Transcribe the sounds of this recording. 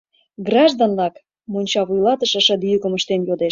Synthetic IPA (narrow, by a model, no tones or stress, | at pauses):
ɡrɑʒd̪onlɑk | munʲt͡ɕɑβujlɑt̪ə̆ʃə̆ʃə̆d̪yjykə̆məʃt̪enjod̪e